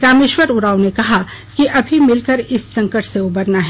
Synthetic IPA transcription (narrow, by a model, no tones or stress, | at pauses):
pɾaːmeːʃwəɾʊɾaːwnekɐɦa | kiʔɐbʱimɪlkəɾɪsːɐ̃ŋkəʈseʊbɐɾnaɦɛ